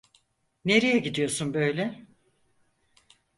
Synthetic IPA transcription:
neɾejɛɟid̪ijo̞sunbøjlʲɛ

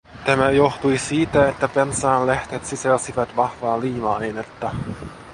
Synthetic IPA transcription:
t̪æmæjo̞xt̪ujsiːt̪æet̪ːæpensɑːlleht̪et̪sisælsiʋæt̪ʋɑhʋɑːliːmɑejnet̪ːɑ

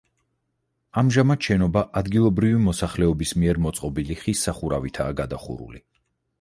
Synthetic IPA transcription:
amʒamat̪ʃɛnɔbaʔad̪ɡilˠɔbɾivimɔsaχlɛɔbismiɛɾmɔt̪sʼqʼɔbiliχisːaχuɾavit̪ʰaːɡad̪aχṵɾṵli

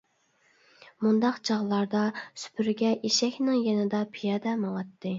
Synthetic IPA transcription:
mund̪ɑqd͡ʒɑʁlˠɑɾd̪ɑsy̥pʰyɾɡʲɛʔiʃɛkʲnɪŋjɛnɪd̪ɑpʰijɑd̪ɛmɑlɑt̪ʰːɨ

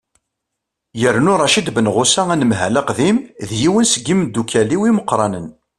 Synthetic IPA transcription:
jəɾnʊɾˤɑʃid̪bənʁʊsæænəmɦæ̰læqðimðjiwənsəɡimd̪ːukʰæliwiməqːɾˤɑnən

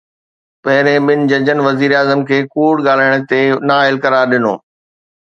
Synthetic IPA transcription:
pɐɦɪɾẽɓɪnɪ̆d͡ʑɐd͡ʑənʋɐziːɾaːzəmkʰeːkuːɽɠaːl̤aːɪɽ̃ə̆t̪enaːɪlkɐɾaːɾɗɪno̰ː

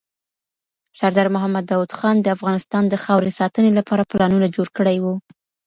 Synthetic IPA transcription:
saɾd̪ɑɾmʊɦamːad̪ːɑwud̪xɑnd̪əafɣɑnɪst̪ɑnd̪əxɑwɾesɑt̪ənelapɑɾaplɑnunad͡ʒoɽkəɽajwu

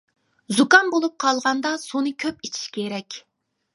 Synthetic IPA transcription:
zukɑnbolˠup̚qʰɑlˠʁɑnd̪ɑsonɨkʲʰøp̚it͡ʃʰi̥ʃkʲʰeɾɛkʲ

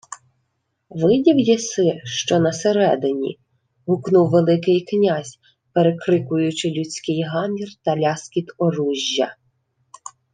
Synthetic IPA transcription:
ʋɪdʲiwjisɪʃt͡ʃɔnɐseɾɛd̪ɪnʲḭ | ɦʊknuwʋelˠɪkɪjknʲazʲ | peɾekɾɪkʊjʊt͡ʃɪlʲut͡sʲkɪjɦɑmʲirt̪ɐlʲɑskʲit̪ɔɾuʒʲːɐ

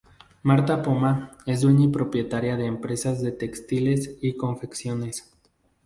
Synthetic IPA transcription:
maɾt̪apomae̞sz̬d̪weɲipɾo̞pje̞t̪aɾjaðe̞ːmpɾe̞sazðe̞t̪e̞kst̪ile̞siko̞ɱfeksjo̞ne̞s

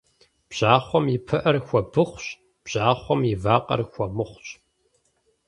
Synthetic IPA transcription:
b̥ʑ̥aːχʷɔmjɪpʰɨʔɐrxʷɔbɨχʷɕ | b̥ʑ̥aːχʷɔmivaːqɐ̰rxʷɔmɨχʷɕ

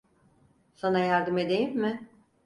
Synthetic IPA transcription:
sanajaɾd̪ɯme̞d̪e̞jimːɪ

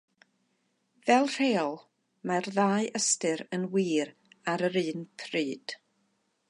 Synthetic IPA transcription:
vɛlˠr̥eːɔlˠ | marðaːɨʔəstɨɾənwiːɾ | aɾəɾɨːnpʰrɨːd̥

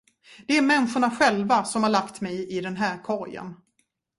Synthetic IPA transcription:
d̪ɛæɾmɛnɧʊɳaɧɛlvasɔmhaɾɭakt̪mɛjɪd̪ɛnɦæːɾkʰɔɾjə̰n

